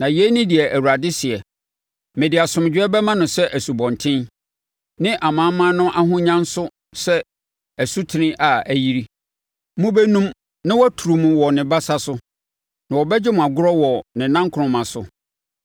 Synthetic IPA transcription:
nã˨jɛ˦nĩ˦di˨ɛ˨ʔæ˨wu˨ɾa˨dɪ˦sɪ˨ɛ˨ | mẽ˨dɪ˨a˨sʊ̃˨m˨d͡ʑᶣɪ˦ɛ˦bɛ˦mã˦nʊ̃˨sɛ˦ʔæ˨su˨bɔ̃˨ntʰɪ̃˦n | nɪ̃˦ʔa˨mãː˨˦mːã˦nʊ̃˦ʔa˦ɦʊ̃˦ɲã˦n˦sʊ˦ | sɛ˦ | æ˨su˦tʰɪ˨nɪ̃˦ʔa˨æ˨ji˦ɾi˦ | mũ˦bɛ˦nũ˦m | nɪ̃˦wɔ˦tʰu˨ɾu˨mũ˦wɔ˨nɪ̃˨ba˦sa˦sʊ˦ | nã˨wɔ˨bɛ˦d͡ʑɪ˦mʊ̃˨a˨ɡʊ˦ɾɔ˦wɔ˨nɪ̃˨nã˦ŋkʰʊ˨ʊ̃˨mã˨sʊ˦

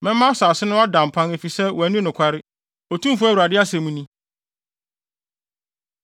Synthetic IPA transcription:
mɛ̃˦m˦mːã˦saː˨sɪ˦nʊ̃˦a˦dã˨m̩˨pʰã˦ne˨fi˨sɛ˦wɔ˨æ˨nĩ˦nʊ̃˨kʷʰa˦ɾɪ˦ | ɔ˨tʰũ˦mfu˦æ˦wu˨ɾa˨dɪ˦a˦sɛ̃˨mũ˦nĩ˦

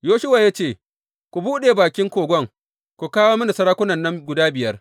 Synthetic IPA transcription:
joː˦ʃʊ˦wa˨ja˦t͡ʃeː˦˨ | kʷu˨buː˦ɗeː˨baː˨kʲɪ˦ŋkʷoː˨ɡʷɔ˦ŋ | kʷu˨kaː˦woː˦mɐ˦na˨sɐ˦ɾaː˦kʷʊ˦nɐ˨nːɐ˦ŋɡʷʊ˨daː˦bɪ˨jɐ˦r

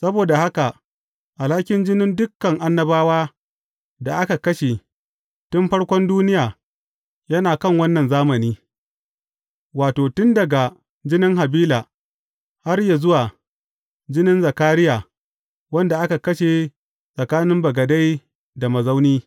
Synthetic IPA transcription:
sɐ˦boː˨da˨ha˦ka˨ | ʔa˨laː˦kʲɪ˦nd͡ʒɪ˦nɪ˦ndʊ˦kːɐ˨ŋʔa˦nːɐ˦baː˦waː˦ | da˨ʔa˦ka˨kɐ˦ʃe˨ | tʊ˦mɸɐ˦ɽkʷɔ˦nduː˦nɪ˦jaː˨ | jɐ˦naː˨kɐ˦˨ŋwɐ˦nːɐ˨nzaː˦mɐ˨niː˦ | waː˨toː˨tʊ˦ndɐ˨ɡa˨ | d͡ʒɪ˦nɪ˦ŋɦa˨biː˦laː˨ | ha˦rja˨zʊ˦waː˨ | d͡ʒɪ˦nɪ˦nzɐ˨kaː˦ɾɪ˦jaː˨ | wɐ˦nda˨ʔa˦ka˨kɐ˦ʃe˨ | sʼɐ˨kaː˦nɪ˦mbɐ˨ɡɐ˨da˦j | da˨mɐ˨za˦wniː˦

